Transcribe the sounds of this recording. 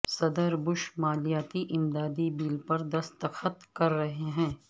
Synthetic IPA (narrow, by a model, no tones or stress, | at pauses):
sɐd̪əɾbʊʃmaːlijaːt̪iʔɪmd̪aːd̪ibiːlpɐɾd̪ɐst̪əxət̪kɐɾːɐɦeɦɛ̃ː